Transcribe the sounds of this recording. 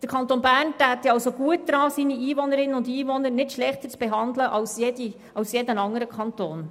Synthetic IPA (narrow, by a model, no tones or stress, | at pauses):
d̥əkʰɑntoːnbæːɾntæːtːɛɑlsoɡ̥uət̚dɾɑːsiːniiːvɔnəɾɪnəʊndiːvɔnəɾnɪtʃlɛχtət͡sb̥eɦɑndləʔɑlsjedi | ɑlsjedənɑŋəɾəkʰχɑnt̪oːn